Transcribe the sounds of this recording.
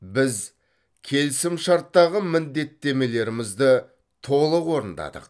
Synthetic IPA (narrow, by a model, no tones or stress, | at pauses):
bɪz | kʲʰe̞lsɪmʃɑɾt̪ːɑʁəmɪnd̪e̞t̪ːe̞me̞le̞ɾɪmɪzd̪ɪ | t̪ʰo̞lˠəqwo̞ɾənd̪ɑ̰d̪ə̰q